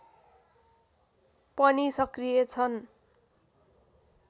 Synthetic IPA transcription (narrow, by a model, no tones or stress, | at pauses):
pʌnisʌkrijet͡sʰʌn